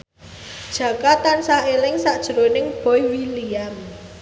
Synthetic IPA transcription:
d̥ʒ̥ä̤kat̪ansaelɪŋsaʔd̥ʒ̥əɾonɪŋb̥ɔjwiliam

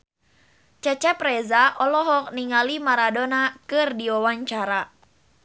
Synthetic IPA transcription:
t͡ʃɛt͡ʃɛpɾɛzaʔɔlɔɦɔk̚niŋalimaɾadonakɨrdiɔwaɲt͡ʃaɾa

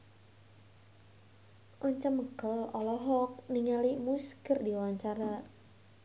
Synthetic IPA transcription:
ʔɔɲt͡ʃaməkəlɔlɔɦɔk̚niŋalimuskərdiwaɲt͡ʃaɾa

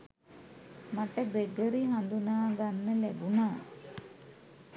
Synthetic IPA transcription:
maʈəɡɾeɡəɾiɦand̪unaːɡanːəlæɡunaː

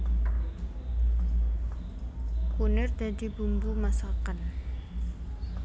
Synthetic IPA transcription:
kunɪrd̪adibumbumasakan

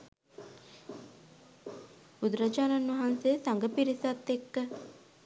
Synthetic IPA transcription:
ud̪ɾad͡ʒaːnanʋɐɦanseːsaŋɡəpiɾisat̪ːekːə

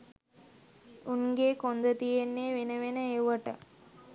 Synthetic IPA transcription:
unɡeːkond̪ət̪ijenːeːʋenəʋenəeʋəʈə

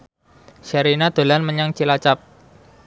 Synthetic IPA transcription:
ʃaɾinad̪̥o̤lanməɲaŋt͡ʃilat͡ʃap̚

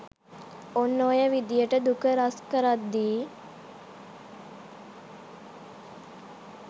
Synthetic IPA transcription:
onːoːjəʋid̪ijəʈəd̪ukəɾaskəɾat̪̚d̪iː

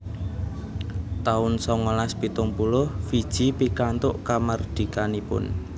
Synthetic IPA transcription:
t̪aʊnsɔŋɔlaspit̪ʊŋpulʊhfid̥ʒ̥i̤pikant̪ʊʔkamard̪̥i̤kanipʊ̰n

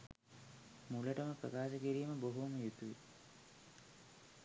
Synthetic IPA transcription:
muləʈəməpɾəkaːʃəkiɾiːməboɦuməjut̪uʋḭ

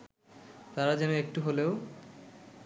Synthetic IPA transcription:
t̪aɾad͡ʑɛnoek̚ʈuɦoleo

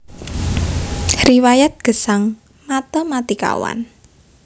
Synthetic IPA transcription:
riwajat̪̚ɡ̥ə̤saŋ | mat̪ɔmat̪ika̰wa̰n

